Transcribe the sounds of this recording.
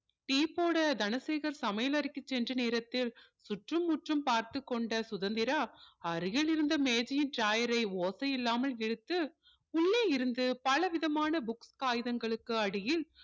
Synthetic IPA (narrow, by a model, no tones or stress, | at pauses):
ʈiːpoːɽɐd̪ɐnɐseːɣɐɾsɐmɐjɐlɐɾɪkːɯt͡ʃːɛndrɐneːɾɐt̪ːɪlsʊʈrɯmːʊʈrɯmpaːɾt̪ɯkːɔɳɖɐsʊðɐnd̪ɪɾaɐɾɯjɐɭɪɾɯnd̪ɐmeːd͡ʒɪjɪnʈɾaːjɐɾɐɪoːsɐjɪlːaːmɐlɛɽɯt̪ːɯ | ʊɭːeːɪɾɯnd̪ɯpɐlɐʋɪðɐmaːnɐbʊkskaːjɯðɐŋɡɐɭɯkːɯɐɽɪjɪl